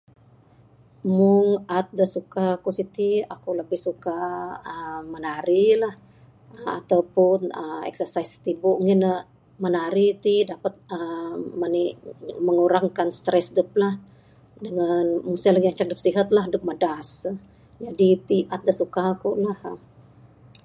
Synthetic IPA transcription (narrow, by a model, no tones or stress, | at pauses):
mʊŋat̪̚dəsukakusit̪iakuləbɪhsukaəːənaɾilah | əa̰t̪awpʊnəmɛ̰ksərsaist̪ibuʔŋɪnə | mənaɾit̪idapət̪̚əməniməŋuɾaŋkanst̪ɾɛsdup̚lah | dəŋanmusalaɡiaŋt͡ʃak̚dəp̚siɦat̪̚lahdʊp̚mədas | d͡ʒadit̪iat̪̚dəsukakulahə